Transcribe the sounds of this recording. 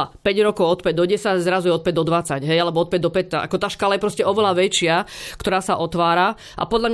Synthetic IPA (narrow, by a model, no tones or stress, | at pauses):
apɛɟɾɔkɔʊɔt̪pɛɟ̚d̪ɔɟɛsaɟzɾazujɛɔt̪̚pɛɟ̚d̪ɔd̪ʋat͡saɟɦɛjalɛbɔɔt̪̚pɛɟ̚d̪ɔpɛc̪ːaʔa̰kɔt̪aːʃkaːlajɛpɾɔscɛɔʋɛlaʋɛt͡ʃɪakt̪ɔɾaːsaʔɔt̪ʋaːɾa | ʔa̰pɔd̪ʎamɲ